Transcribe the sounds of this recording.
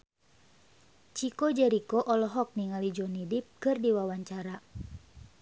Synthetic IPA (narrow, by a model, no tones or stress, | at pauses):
t͡ʃikod͡ʒɛɾikɔʔɔlɔɦɔk̚niŋalid͡ʒɔnidip̚kɨrdiwawaɲt͡ʃaɾa